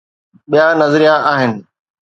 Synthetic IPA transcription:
ɓijanɐzɾijaʔaːɦɪnɪ̆

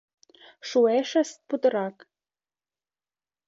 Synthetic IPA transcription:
ʃueʃə̆st̪̚put̪ɤ̆ɾɑk

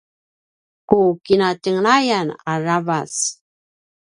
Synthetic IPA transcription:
kukinatəŋnajanaravas

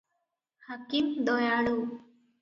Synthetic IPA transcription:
hakimd̪ɔjaɭu

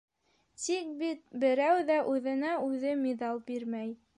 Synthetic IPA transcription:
t̪ik̚bit̪̚bɘ̆ɾæwðæʔʉðɘ̆næʉðɘmid̪ɑlˠbiɾmæj

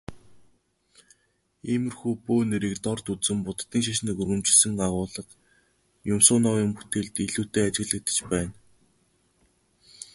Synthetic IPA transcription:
emɘ̆rxupoːneɾekt̪ɔrt̪ut͡sɘ̆mpʊt̪t̪ːiːŋʃ̬aʃniːkuɾɣɘ̆mt͡ɕɪ̆ɮsɘ̆ŋɢaʁʊːɮə̆q | jʊmsʊːnɔːwjʊmpu̥t̪eːɮt̪eɮuːt̪eːat͡ɕɪ̆ɣɮɘ̆k̚t̪ɘ̥̆t͡ɕpæːn

